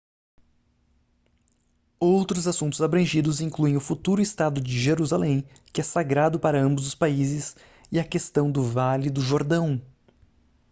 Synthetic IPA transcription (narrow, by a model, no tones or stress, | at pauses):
owt̪ɾʊzasũnt̪ʊzabɾɐ̃ʒid̪ʊzĩkluẽj̃ʊfut̪uɾʊɪst̪ad̪ʊd͡ʒɪʒeɾuzalẽj̃ | kɪɛsaɡɾad̪ʊpaɾɐɐ̃mbʊzd̪ʊspaizɪs | ɪɐkest̪ɐ̃w̃d̪ʊvalɪd̪ʊʒoɾd̪ɐ̃w̃